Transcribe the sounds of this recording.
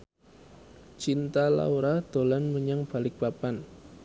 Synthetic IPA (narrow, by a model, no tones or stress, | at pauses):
t͡ʃint̪ala̰uɾahd̪̥o̤lanməɲaŋb̥a̤lɪk̚b̥apan